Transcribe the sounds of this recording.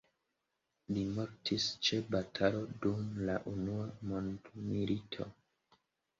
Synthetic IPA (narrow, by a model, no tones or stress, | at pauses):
limoɾtʰist͡ʃe̞batʰalo̞dumlaʔunuamondmilitʰo̞̰